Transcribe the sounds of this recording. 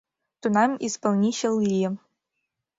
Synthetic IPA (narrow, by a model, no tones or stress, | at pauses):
t̪unɑmispɤlˠnʲiɕɘlˠlʲi